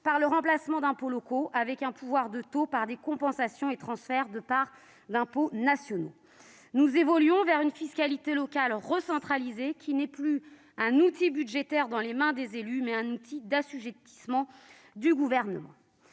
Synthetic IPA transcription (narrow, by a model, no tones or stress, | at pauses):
paʁləʁɑ̃plasmɑ̃d̪ɛ̃polɔkoʔavɛkɛ̃pʰuvwaʁd̪ət̪opaʁd̪ekɔ̃pɑ̃sasjɔ̃et̪χɑ̃sfɛʁd̪əpaʁ | d̪ɛ̃ponasjɔno̰ | nuzevɔlɥɔ̃vɛʁynfiskʲalit̪elɔkʲalʁəsɑ̃t̪χalizekʲinɛply | ɛ̃nut̪ibyd̪ʒet̪ɛʁd̪ɑ̃lemɛ̃d̪ezelymɛɛ̃nut̪ʰid̪asyʒɛt̪i̥smɑ̃ | d̪yɡuvɛʁnəmɑ̰̃